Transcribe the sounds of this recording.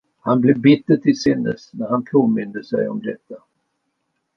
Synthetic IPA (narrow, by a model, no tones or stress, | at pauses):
hanblɛvbɪt̪ːəʈɪlsɪnːə̰snæɾhanpʰoːmɪnd̪əsɛ̰jɔ̰md̪ɛt̪ːa